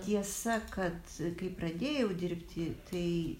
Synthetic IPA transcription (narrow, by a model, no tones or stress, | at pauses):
t̪ʲiɛsɐkɐt̪kɐɪprɐd̪ʲeːjɛʊd̪ʲɪɾʲpʲt̪ʲɪt̪ʰɐɪ